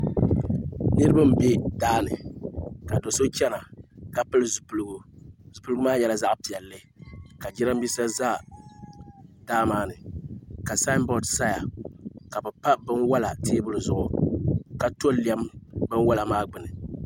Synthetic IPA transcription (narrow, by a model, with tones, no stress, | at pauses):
nɨ˦ɾɨ˦ba˦m̩˨be˦daː˦nɨ̰˨ka˨do˨so˦t͡ʃɛ˦na˨ka˨pɨ˦lɨ˨zu˨pu˨lɨ˦ɡu˦zu˨plɨ˦ɡʊ˦maː˦jɛ˦la˨za˦ʔpi˨a˨lːɨ˦ | ka˨d͡ʒɪ˦na˦m˦bi˦sa˦za˦˨ | daː˦maː˦nɨ˨ka˨sa˦nbɔ˨dsa˦ja˨ka˨bɛ˨pa˦bɨ˦nwa˦la˨teː˦bʊ˦lɨ˨zʊ˨ʔʊ˨ka˨to˦li˦ɛ˦mbɨ˦nwa˦la˨maː˦ɡ͡bɨ˨nɨ˨